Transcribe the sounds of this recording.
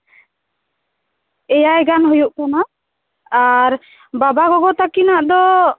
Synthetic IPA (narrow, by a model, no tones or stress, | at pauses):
ɛjajɡanɦujuʔkɔna | aɾ | babaɡɔɡɔt̪akinaʔd̪ɔ